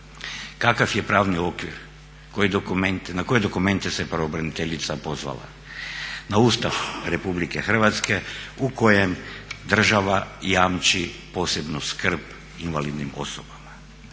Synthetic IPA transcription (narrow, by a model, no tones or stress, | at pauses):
kakafje̞pɾaːʋnio̞kʋiɾ | kojid̪okument̪nako̞je̞d̪o̞kume̞nt̪ese̞pɾaobɾanit̪eʎit̪sapo̞zʋa̰la̰ | naust̪aʋɾe̞publike̞xr̩ʋat̪ske̞uko̞jemd̪r̩ʒaʋajaːmt͡ʃipo̞ːse̞bnoskr̩p | inʋalid̪nimo̞̰sobama